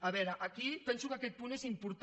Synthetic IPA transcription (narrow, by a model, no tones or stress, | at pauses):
ɐβɛɾɐʔakipɛnsukakɛt̪̚punezimpuɾt̪